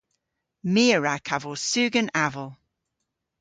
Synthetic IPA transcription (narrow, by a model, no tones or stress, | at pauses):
miːəɹakʰavosʉːɡənavəlˠ